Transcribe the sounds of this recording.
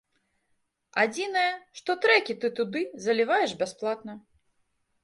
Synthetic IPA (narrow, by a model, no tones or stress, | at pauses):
ad͡zʲinɐjɐʂt̪ɔt̪ɾɛkʲit̪ɨt̪ud̪ɨzɐlʲivajɛʂbʲasplˠat̪nɐ